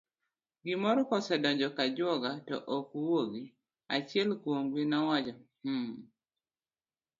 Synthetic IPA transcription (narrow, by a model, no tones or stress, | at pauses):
ɡɪmɔɾɔkɔsɛdɔɲd͡ʒɔkad͡ʒwɔɡatɔ̰ʔokuwoɡi | at͡ʃɪɛlkwoŋɡwinɔwad͡ʒah̩